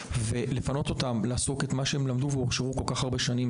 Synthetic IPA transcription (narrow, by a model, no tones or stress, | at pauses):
ve̞lefano̞t̪o̞tamlaːso̞ketmaʃehemlamduveoʁʃeʁuko̞lkaχaʁbe̞ʃanim